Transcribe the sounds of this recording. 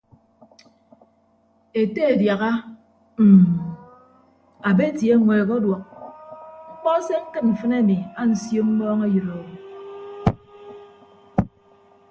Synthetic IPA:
e˨te˦e˨dja˨ɣa˦ | m̩˨ | a˨be˦tje˨˦ŋʷweː˨kɔ˦dwɔ˨k̚ | ŋ͡m̩˦k͡pɔ˦se˦ŋ̩˦kɨ˦nm̩˨fɨ˦ne˦˨mi˨a˦n̩˨sjo˦m̩˦mɔː˦ŋe˦jɨ˨ɾo˨ɾu˨

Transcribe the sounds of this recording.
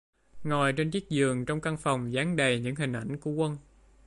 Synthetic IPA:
ŋɔ˨˩jt͡ɕe˧nt͡ɕi˦˥k̚zɨ˨˩əŋt͡ɕɔ˧wŋ͡mka˧ŋfa˨˩wŋ͡mzaː˨˦ŋɗə˨˩jɲɨ̰˧˥ŋɦï˨˩ŋ̟ʔa̰˧˩jŋ̟ku˧˩əkwə˧n

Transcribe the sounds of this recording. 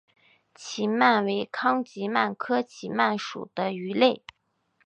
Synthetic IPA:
t͡ɕʰi˧˥ma˥˩nwe˧˥ɪkʰɑ˥ŋt͡ɕi˧˥ma˥˩nkʰɤ˥t͡ɕʰi˧˥ma˥˩nʂṵ˨˩d̪̥ə˦y˧˥le˥˩ɪ

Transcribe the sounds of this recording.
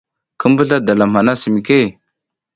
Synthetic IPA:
kə˦mbə˦ɮa˦da˨la˨ma˨na˦si˨mi˨ke˦

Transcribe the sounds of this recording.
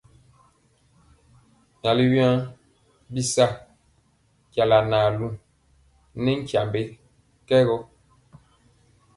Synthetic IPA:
ɲa˨li˦wja˦ | bi˦sa˦˨ | kja˨la˨naː˨lu˦ | nɛ˦ŋ̩˦kja˨mbe˦ | kɛ˦ɣɔ˦

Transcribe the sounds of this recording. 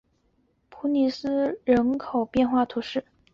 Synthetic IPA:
pʰu˧˥ni˧˩sɹ̩˥ɻə˧˥nkʰo˨˩ʊpjɛ˥˧nxwa˥˩t̪ʰu˧˥ʂɻ̩˥˩

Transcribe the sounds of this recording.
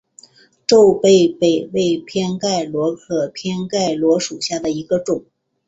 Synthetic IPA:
ʈ͡ʂo˥˧ʊpe˥˧ɪpe˥˩ɪwe˥˧ɪpʰjɛ˥nka˥˩ɪlwɔ˧˥kʰɤ˨˩pʰjɛ˥nka˥˩ɪlwɔ˧˥ʂu˨˩ɕja˥˩d̪ə˩i˧˥ɡə˧ʈ͡ʂʊ˨˩˦ŋ

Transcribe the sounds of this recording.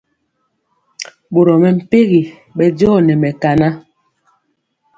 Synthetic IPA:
ɓo˨ɾɔ˨mɛ˨m̩˨pe˦ɣi˨ | ɓɛ˦d͡ʒɔː˦˨nɛ˨mɛ˨ka˨na˦

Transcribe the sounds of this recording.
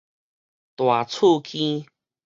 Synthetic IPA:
t̪wa˨˩t͡sʰu˥˧kʰĩ˦

